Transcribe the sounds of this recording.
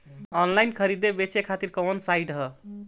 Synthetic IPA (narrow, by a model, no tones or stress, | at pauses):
ɔnlajnkʰəɾid̪ebet͡ʃekʰat̪iɾkəʋənsajʈɦə